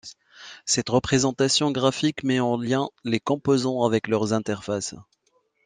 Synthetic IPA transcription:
sɛt̪ʁəpχezɑ̃t̪asjɔ̃ɡʁafikmɛɑ̃ljɛ̃lekɔ̃pozɑ̃avɛklœʁzɛ̃t̪ɛʁfas

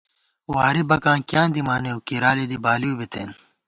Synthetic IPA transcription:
waːɾibɐkãːkjãːnd̪imaːneukiɾaːlid̪ibaːliubit̪ḛːn

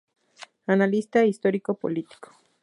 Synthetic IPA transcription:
analist̪aist̪oɾikopo̰lit̪i̥ko̥

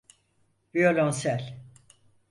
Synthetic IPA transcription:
violʲonsælʲ

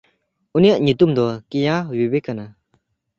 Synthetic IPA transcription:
ʔunijaʔɲit̪umd̪ɔkijawibekana

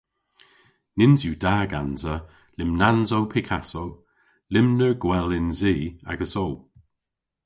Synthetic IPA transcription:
nɪnzjuːdaːɡanzə | lɪmnanzowpʰɪkʰasow | lɪmnəɹɡwɛlɪnziːa̰ɡəsow

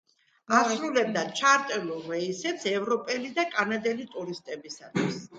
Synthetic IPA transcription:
asɾulɛb̚d̪at͡ʃʰaɾt̪ʼɛluvɛisɛt̪sʰɛvɾɔpʼɛlid̪akʼanad̪ɛlit̪ʼuɾist̪ʼɛbisat̪ʰwis

